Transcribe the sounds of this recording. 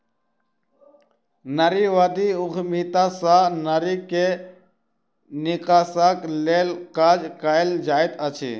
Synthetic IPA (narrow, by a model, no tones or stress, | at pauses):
nɐɾiʋad̪iukmiːt̪asanəɾike | nikaːsakleːlkaːd͡ʒkajld͡ʒaːit̪ət͡ʃʰḭ